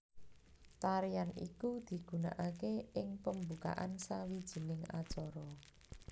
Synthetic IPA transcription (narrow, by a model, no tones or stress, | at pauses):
t̪aɾijanḭkud̪̥i̤ɡ̥ṳna̰ʔakeɪŋpəmbuka̰ʔansawid̥ʒ̥i̤nɪŋa̰̥t͡ʃɔɾɔ